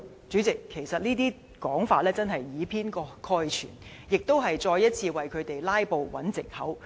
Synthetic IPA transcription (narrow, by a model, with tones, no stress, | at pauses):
t͡ʃyː˨˥t͡sɪ˨kʰːe˨˩jsɐ˨t̚niː˥t̪iː˥ | kɔː˨˥ŋfaː˧t̚lɛː˥t͡sɐ˥nhɐ˨jːiː˨˧pʰiː˥nkɔː˧kʰɔː˧jt͡ʃʰy̰ː˨˩n | jɪ˨k̚t̪o˥wɦɐ˨jt͡ʃɔː˧jɐ˥t̚t͡sʰiː˧wɐ˨jkʰɵ˨˧ɥt̪e˨jlaː˥jpo˨˧wwɐ̰˨˥nt͡sɪ˨k̚hɐ̰˨˥w